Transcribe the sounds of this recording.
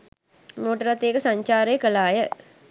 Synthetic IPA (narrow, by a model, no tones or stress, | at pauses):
moːʈəɾat̪ːeːkəsaɲt͡ʃaːɾejəkəlaːjə